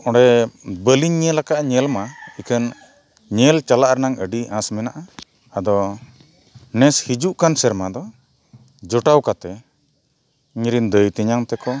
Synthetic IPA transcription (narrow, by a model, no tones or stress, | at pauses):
ɔ̃ɽɛbəliɲːɛlakaʔɲɛlmaikʰən | ɲɛlt͡ʃalaʔɾnaŋəɖiãsmɛnaʔa | ad̪ɔ | nɛshid͡ʒuʔkansɛɾmad̪ɔ | d͡ʒɔʈawkat̪ɛ | ɲɾind̪əjt̪iɲaŋt̪ɛkɔ